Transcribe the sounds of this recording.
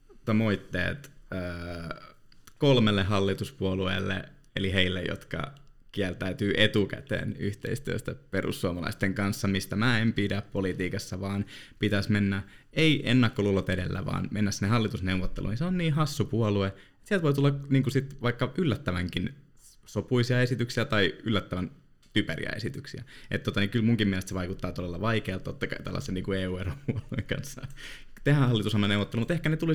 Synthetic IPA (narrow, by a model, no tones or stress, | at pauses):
t̪omoit̪ːḛːt̪øː | kolmelːeɦɑlːit̪uspuoluḛːlːḛ | eliɦeilːejo̰t̪kɑ̰ | kiælt̪æyt̪yːʔet̪ukæ̰t̪ḛːnyht̪ḛist̪yø̰st̪æperṵsːuomɑlɑ̰ist̪eŋkɑnsːɑmist̪æmæːempidæppolit̪iːkɑsːɑʋɑːnpit̪æsmenːæeiʔenːɑkːolulːot̪edelːæ̰ʋɑ̰ːnmenːæsinːehɑlːit̪usneuʋːot̪ːelʔṵniseonniːɦɑsːupuolue | t̪siælt̪ʋoit̪ulːɑkniːŋkusit̪ʋɑikːɑʔylːæt̪ːæʋæŋkin | sopuisiɑesit̪yksiæt̪ɑiylːæt̪ːæʋæn | t̪ypæɾḭæ̰ḛsit̪yksiæ̰ʔḛt̪t̪ːot̪ɑnikylmuŋkimieælest̪seʋɑikut̪ːɑːt̪odelːɑʋɑikeɑlt̪ːot̪ːɑkɑit̪ɑ̰lːɑ̰sːeniːŋkueːuːeropuolueŋkɑ̰nsːɑ | t̪ehæhɑlːit̪usɑmnːɑnewʋːˑot̪ːelumut̪ehkænet̪uli